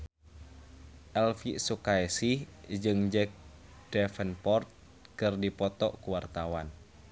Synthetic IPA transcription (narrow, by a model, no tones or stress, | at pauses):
ʔɛlfisukaɛsid͡ʒɨŋd͡ʒɛk̚d̥ɛfənpɔrt̪̚ | kɨrdipɔt̪ɔ̰ʔkuwart̪awan